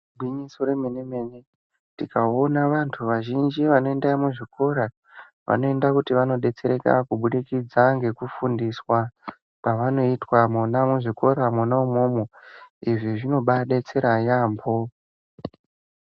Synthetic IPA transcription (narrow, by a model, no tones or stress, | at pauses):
bʱwiɲiso̞ɾemeneme̞ne̞ | tikao̞naʋantʰuʋaʒind͡ʒiʋano̞endamuʐiko̞ɾa | ʋʔa̰no̞e̞ndakutiʋano̞ɗe̞t͡se̞ɾeka̰kuɓuɗikid͡zaŋɡe̞kufundiswa | paʋano̞itwamunamuʐiko̞ɾamunaumomoiʐiʐino̞ɓaɗe̞t͡se̞ɾajaːmbo